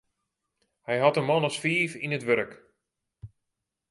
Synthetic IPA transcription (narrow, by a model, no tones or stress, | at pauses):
hɛjɦatənmɔnɔsfiːfinətʋøɾk